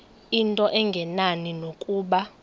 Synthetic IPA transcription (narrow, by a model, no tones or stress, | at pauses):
intʼɔʔɛŋɡʱɛnaninokʼuːɓa